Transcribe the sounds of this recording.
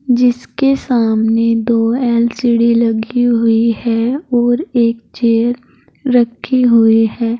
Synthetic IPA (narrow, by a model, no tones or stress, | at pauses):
d͡ʒɪskesaːmned̪oːɛːlsiɽilɐɡiɦʊihɛɔːɾeːk̚t͡ʃeːəɾ | ɾɐkʰːiɦʊihɛː